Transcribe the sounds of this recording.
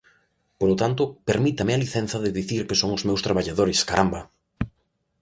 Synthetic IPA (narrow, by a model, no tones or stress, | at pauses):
polot̪ant̪ʊpeɾmit̪ɐmɪaliθɛnθɐðɪðiθiɾkɪsoŋʊzmewst̪ɾaβaʎaðoɾɪskaɾʔamba